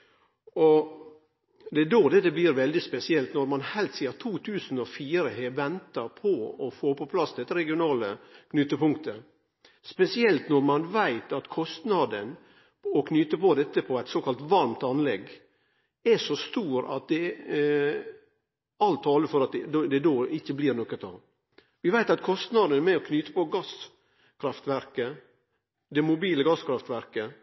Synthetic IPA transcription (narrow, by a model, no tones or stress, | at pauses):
ɔ | d̪ɛd̪oːd̪ɛt̪ɛbliːɾʋɛld̪ɪspɛsɪɛlt̪nɔɾmɑnhɛlt̪siːɑt̪ʰuːt̪ʰʉːsn̩ɔfiːɾəɦɛʋɛnt̪əɾpʰɔɔfoːpʰɔpʰlɑsd̪ɛt̪ːəɾɛɡɪʊnɑːləkʰnʏt̪ːəpʊŋkt̪ʰə | spɛsɪɛlt̪nɔɾmɑnʋæɪt̪ɑt̪kʰɔst̪nɑd̪ən | ɔkʰnʏt̪əpɔd̪ɛt̪ːəpʰɔæɪt̪soːkʰɑlt̪ʋɑɾmt̪ɑnlɛɡ | ɛʂɔst̪uːɾɑ̰t̪̚d̪ɛ | ɑlt̪ʰːɑːləɾfɔɾɑt̪̚d̪d̪ɛd̪oːɪçːəbliːɾnɔkːət̪ʰɑ̰ʋ | ʋɪʋæɪt̪ɑt̪kʰɔst̪nɑd̪ənmɛɔkʰnyt̪ə̥pɔɡɑs | kʰɾɑft̪ʋæɾkə | d̪ɛmʊbiːləɡɑskʰɾɑft̪ʋæɾkə